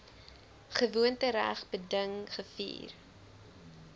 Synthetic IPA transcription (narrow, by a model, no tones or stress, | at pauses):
χəvuəntəɾæ̰χbədəŋχəfḭːr